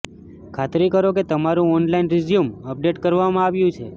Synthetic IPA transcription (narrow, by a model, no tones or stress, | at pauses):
kʰat̪ɾikəɾoket̪əmaɾũɔnlainɾɪzjuməp̚ɖeʈkəɾʋamãaʋjũt͡ʃʰe